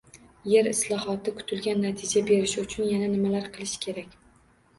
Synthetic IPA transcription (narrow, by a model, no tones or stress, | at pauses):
je̞ɾɪslˠɒhɒt̪ʰɪkʰʊ̥t̪ʰɪlɡʲanːat̪ʰɪd͡ʒabe̞ɾɪʃɪʊt͡ʃʰʊnjananɪmalaɾqʰɨlˠɪʃɪ̥kʲʰe̞ɾakʲ